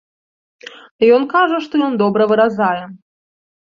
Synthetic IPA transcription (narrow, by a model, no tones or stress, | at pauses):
jɔnkaʐɐʂt̪ɔjɔnd̪ɔbɾɐvɨɾazajɛ